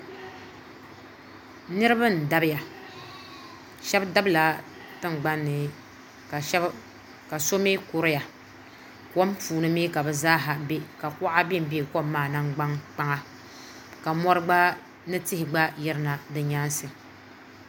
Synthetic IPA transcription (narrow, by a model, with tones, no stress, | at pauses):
nɨ˦ɾɨ˦bɨ˦n̩˨da˦bɪ˦ja˨ | ʃɛ˦bda˦bla˨ | tɨ˦ŋ˨ɡ͡ba˦nːɨ˨˦ | ka˨so˦me˦ko˨ɾɨ˦ja˨ | kɔ˦m˦puː˨nɨ˦mi˦ka˨bɨ˨zaː˦ɦa˨be˦ka˨kʊ˦ʔa˦bi˦m̩˨˦be˦˨koː˦aː˦˨na˦ŋɡ͡ba˦ŋk͡pa˦ŋa˦ | ka˨mɔ˦ɾɨ˦ɡ͡ba˦ | nɨ˦tɪ˦hɪ˨ɡ͡ba˦jɛ˦ɾɨ˦na˨dɨ˨ɲa˦nsɨ˨